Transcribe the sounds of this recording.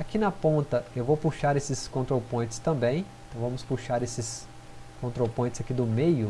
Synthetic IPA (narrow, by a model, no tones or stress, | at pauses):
akinɐpõnt̪ɐewvowpuʃaɾesɪskõnt̪ɾopõt͡ʃɪ̥st̪ɐ̃mbẽj̃ẽt̪ɐ̃w̃vɐ̃mʊspuʃaɾesɪs | kõnt̪ɾopõt͡ʃɪz̥akid̪ʊmejʊ